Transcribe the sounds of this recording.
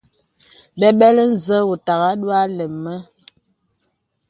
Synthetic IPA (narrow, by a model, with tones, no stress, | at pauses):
ɓɛ˦ɓɛ˦lə˦n̩˨zə˦wu˨ta˨ɣa˦ɗwa˦lə˨mːə˦